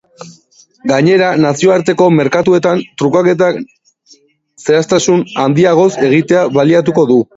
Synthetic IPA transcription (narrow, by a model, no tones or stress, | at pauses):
ɡaɲe̞ɾanasio̞aɾt̪e̞ko̞me̞ɾkat̪ue̞t̪ant̪ɾukake̞t̪̬ak | se̞ast̪asunand̪iaɣ̞o̞se̞ɣ̞it̪e̞aβaliat̪uko̞ðu